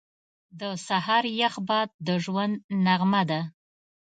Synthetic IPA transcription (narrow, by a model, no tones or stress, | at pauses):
d̪əsahɑɾjaxbɑd̪̚d̪əʒwand̪naɣmad̪a